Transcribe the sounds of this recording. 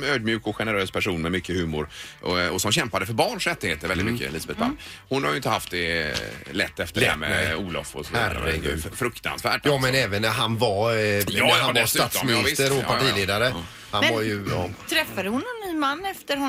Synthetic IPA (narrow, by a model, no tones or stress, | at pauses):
møːd̪̚mjʉ̟ːkɔɧɛnəɾøːspʰæʂuːnmɛmʏkːəhʉ̟ːmʊɾɔɔsɔmɕɛmpad̪əfœɾbɑːɳʂɾɛt̪ːɪheːt̪əɾvɛlɪt̪mʏkːə̰liːsabɛt̪bʰa̰mːhʊnhaɾjʏɪnt̪əhaft̪̚d̪ɛlɛ̰t̪ːɛft̪əɛæmɛ̰ɛuːlɔ̰fɔ̰sɔvhærə̰ɡʉ̰ːd̪fɾɵkt̪a̰nsvæ̰ːʈjɑːmɛnɛːvənɦanva | havst̪sɔmɪɪvsɪst̪əɾɔpʰaʈiːleːd̪aɾə | hanvaɾjɵjɑt̪ʰɾɛfːad̪əhʊnɛnːyːmanːɛft̪əɾ